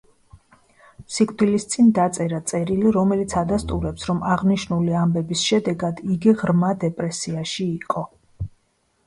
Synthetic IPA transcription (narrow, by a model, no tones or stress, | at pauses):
sikʼʰd̪ilist̪sʼind̪at̪sʼɛɾat̪sʼɛɾiliɾɔmɛlit̪sʰad̪ast̪ʼuɾɛpsɾɔmaʁniʃnuliambɛbisʃɛd̪ɛɡad̪iɡiʁɾmad̪ɛpʼɾɛsiaʃiːqʼɔ